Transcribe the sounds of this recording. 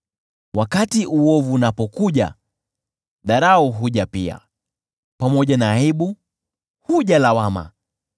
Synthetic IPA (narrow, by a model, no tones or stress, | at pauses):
wakatiʔuɔvuːnapɔkuʄa̰ | ɗaɾauɦuʄapia̰ | pamɔʄanaːiɓu | huʄalawama̰